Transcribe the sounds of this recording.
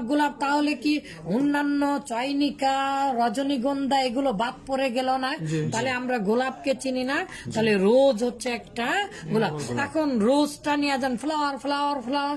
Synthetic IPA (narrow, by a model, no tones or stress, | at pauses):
ɡolab̚t̪aɦoleki | onːanːɔt͡ʃɔjnikaɾɔd͡ʒoniɡɔnd̪ʱaeɡulɔbat̪̚pɔɾeɡɛlɔnat̪alɛamɾaɡolab̚ket͡ɕinina | t̪aleɾod͡ʒɦotːsʰeɛkʈaɡolabakʰonɾod͡zʈanijad͡ʒanpʰlawaɾpʰlawaɾpʰlawa